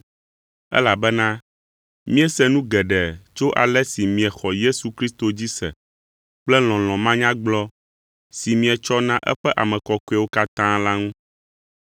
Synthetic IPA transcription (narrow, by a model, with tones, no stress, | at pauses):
ɛ̰˦la˨bɛ˦nã˦ | mĩ˦ɛ˦sɛ˦nũ˦ɡɛ˨ɖɛ˨t͡ʃo˦ʔa̰˨lɛ˦si˨mĩ˨ɛ˨xɔ˨je˦su˨kɾi˦st̪o˨d͡ʑi˦sɛ̰˨ | k͡plɛ˦l̃ɔ̃˨l̃ɔ̃˨mã˦ɲã˦ɡ͡blɔ˦ | si˨mĩ˨ɛ˨t͡ʃɔ˦nã˦ʔɛ̰˦ɸɛ˦ʔa˨mɛ̃˨kɔ˨ko˦ɛ˨wo˦ka˦t̪ã˦la˦ŋũ˦